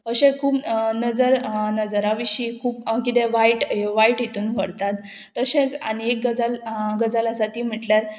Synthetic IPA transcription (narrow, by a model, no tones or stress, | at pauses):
əɕẽkʰuːpnəd͡zəɾnəd͡zɾaʋiɕiːkʰuːp̚kit̪ɛʋaiʈʋaiʈjet̪uːnʋəɽt̪at̪ː | əɕẽt͡sa̰ɽiek̚ɡəd͡zalɡəd͡zaləsat̪iːm̤əʈljaɾ